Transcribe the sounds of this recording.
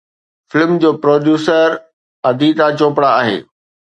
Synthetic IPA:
fɪlmd͡ʑoːpɾoːɖjuːsəɾ | ɐd̪ʱit̪at͡ɕõːpɽaaːɦḛː

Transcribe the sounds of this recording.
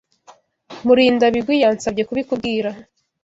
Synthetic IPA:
muɾiːndaβibɡwijaːnsab̚ɟe̞kuβikub̚ɡiːɾa

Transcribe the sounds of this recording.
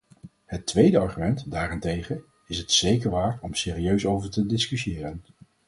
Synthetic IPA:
ɦətʋejdəɑɹχymɛntdaːrɛntejχə | ɪsɦətsejkəɹʋaːɹtɔmsɪːriøɥsowvəɹtədɪskysɪːrən

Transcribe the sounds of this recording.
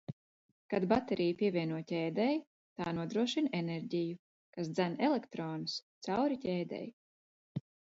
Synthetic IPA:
kad̪bat̪eɾijpʲiɛvʲiɛnuɔtʲɛːd̪ɛj | t̪aːnuɔd̪ɾuɔʃinɛneɾʲɟiju | kas̬d̪zænɛlekt̪ɾoːnust̪sawɾicʲɛːd̪ɛ̰j

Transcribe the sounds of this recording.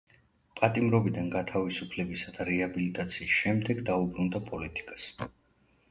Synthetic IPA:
pʼat̪ʼimɾɔbid̪anɡat̪ʰavisupʰlɛbisad̪aɾɛabilit̪ʼat̪sʰiːsʃɛmd̪ɛɡd̪aubɾund̪apʼɔlit̪ʼi̥kʼḁs

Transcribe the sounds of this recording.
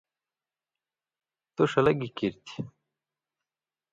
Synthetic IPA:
t̪oʂɐlɐɡikiɾt̪i̥

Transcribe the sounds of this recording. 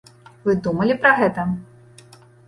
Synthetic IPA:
vɨd̪umɐlʲipɾɐɣɛt̪ɐ

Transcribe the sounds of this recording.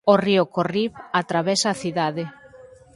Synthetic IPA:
oriʊkoriβat̪ɾaβesaːθiðaðe

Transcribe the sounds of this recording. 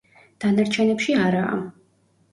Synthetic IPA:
d̪̥anaɾt͡ʃʰɛnɛpʃiaɾa̰ː

